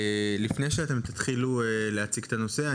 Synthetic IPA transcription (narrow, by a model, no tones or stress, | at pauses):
lifne̞jʃeat̪e̞mt̪ḁt̪χilueleat͡siɡt̪ano̞se̞a